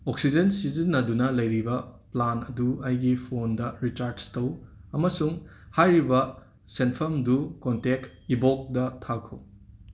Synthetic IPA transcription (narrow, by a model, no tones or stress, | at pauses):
oksid͡ʒensizinːɐdunɐlɐjɾibɐplanɐduɐjɡipʰondɐɾit͡ʃaɾdstɐwɐmɐsuŋhajɾibɐ | senpʰɐmdukontekibok̚dɐtʰakʰow